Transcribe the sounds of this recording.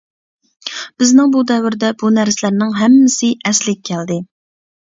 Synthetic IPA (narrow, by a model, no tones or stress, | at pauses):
b̥ɪznɪŋbud̪ɛvɪɾɪd̪ɛbunæɾsɪlæɾnɪŋɦɛmːɪsɪʔɛslɪɡʲkʲʰːɛld̪ɪ